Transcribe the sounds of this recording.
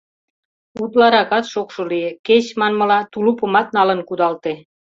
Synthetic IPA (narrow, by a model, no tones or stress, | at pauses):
ut̪lɑɾɑkɑt̪ʃokʃolijeket͡ɕmɑnmɤ̆lɑt̪ulupə̆mɑt̪̚nɑlə̆nkud̪ɑlt̪e